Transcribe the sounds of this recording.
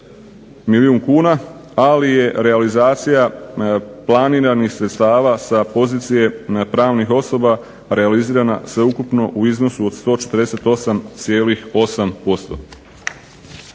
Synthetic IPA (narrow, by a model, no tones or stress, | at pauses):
miliuːŋkuːna | alije̞ɾe̞alizaːt̪sija | plˠaniːɾanixsɾe̞t̪st̪aːʋasapo̞ziːt̪sije̞pɾaːʋnixo̞so̞ba | ɾe̞aliziːɾana̰sʋe̞ukupno̞ʔuizno̞suod̪st̪o̞ːt͡ʃet̪əɾd̪eset̪o̞samt̪sje̞ːlixo̞sampo̞st̪o̞̰